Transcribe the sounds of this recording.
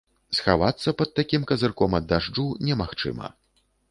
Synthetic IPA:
sxavat̪sːɐpɐt̪̚t̪akʲimkɐzɨrkɔmɐd̪ːaʐd͡ʐunʲɛmaxt͡ʂɨ̰mɐ̰

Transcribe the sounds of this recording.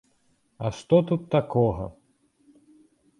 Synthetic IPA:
ɐʂt̪ɔt̪ut̪ːakɔɣɐ̰

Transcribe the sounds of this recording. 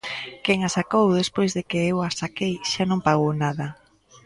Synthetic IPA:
keŋasakowðespojzðɪkɪewasakejʃanõŋpaɣownaðɐ

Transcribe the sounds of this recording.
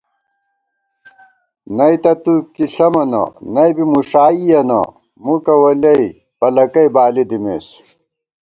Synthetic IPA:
nɐjt̪ɐt̪ukiɬɐmɐnɐ̰nɐjbimuʂaːijɐnɐ̰ | mukɐwɐlɐi | pɐlɐkɐibaːlid̪imeːs

